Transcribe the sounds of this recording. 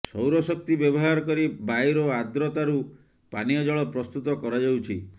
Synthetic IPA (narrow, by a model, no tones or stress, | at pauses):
sɔwɾɔsɔk̚t̪ibjɔbɔɦaɾɔkɔɾibajɾɔad̪ɾɔt̪aɾu | paniɔd͡ʒɔɭɔpɾɔst̪ut̪ɔkɔɾad͡ʒawt͡ʃʰi